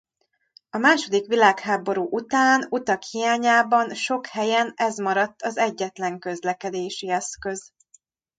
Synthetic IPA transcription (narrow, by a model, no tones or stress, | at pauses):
ɒmaːʃo̞d̪ikʋilaːkhaːbo̞ɾuːʔut̪aːnut̪ɒkhijaːɲaːbɒnʃo̞khɛjɛnɛzmɒɾɒt̪ːɒzɛɟːɛt̪lɛŋkø̞zlɛkɛd̪eːʃiɛskø̞z̥